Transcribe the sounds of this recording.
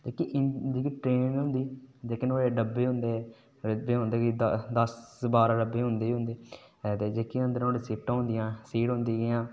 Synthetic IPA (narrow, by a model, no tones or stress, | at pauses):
d͡ʒeːkiʔd͡ʒiːkiʈɾeːnɦʊ̃nd̪iːd͡ʒeːkənoːeːɖəbeːɦʊ̃nd̪eː | ɾəbeːɦʊ̃nd̪eːɡid̪əsbaːɾaɖəbeːɦʊ̃nd̪eːɦʊ̃nd̪eːt̪eːd͡ʒeːkiənd̪əɾoːɽeːsɪːp̚ʈãːɦʊ̃nd̪ɪjãːsiːʈɦʊ̃nd̪iːɡɪjãː